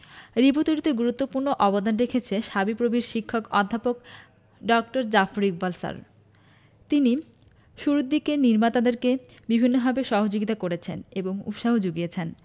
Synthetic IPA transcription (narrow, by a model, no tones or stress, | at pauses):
ɾibot̪uɾit̪eɡuɾut̪ːopuɾnoʔɔbod̪anɾekʰet͡ɕʰeʃabipɾobiɾʃikʰːokɔd̪ʱːapok | ɖɔk̚ʈoɾd͡ʑafɾikbalsa̰ɾ | t̪ini | ʃuɾud̪ːikeniɾmat̪ad̪eɾkebibʱinːobʱabeʃɔɦod͡ʑoɡit̪akoɾet͡ɕʰeneboŋṵpʃaɦod͡ʑoɡijet͡ɕʰen